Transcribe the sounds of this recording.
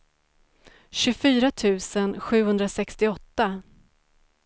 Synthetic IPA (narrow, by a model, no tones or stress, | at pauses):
ɕɵfyːɾat̪ʰʉ̟ːsənɧʉ̟ːhɵnd̪ɾasɛkst̪ɪɔt̪ːa